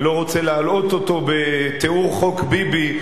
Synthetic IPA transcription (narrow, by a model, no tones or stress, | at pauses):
lo̞ʁot͡selealo̞t̪ot̪o̞bet̪euʁχo̞kbibi